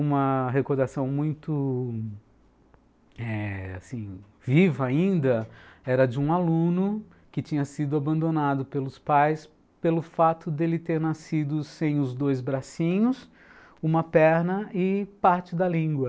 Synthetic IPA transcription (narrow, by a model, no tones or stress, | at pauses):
ũmɐɦekoɾd̪asɐ̃w̃mũj̃t̪ʊ | ɛa̰sĩ | vivɐaĩnd̪ɐɛɾɐd͡ʒɪũalũnʊ | kɪt͡ʃĩɲɐsid̪ʊabɐ̃nd̪onad̪ʊpelʊspajs | pelʊfat̪ʊd̪elɪt̪eɾnasid̪ʊsẽj̃ʊzd̪ojzbɾasĩɲʊs | ũmɐpɛɾnɐɪpaɾt͡ʃɪd̪ɐlĩŋɡwɐ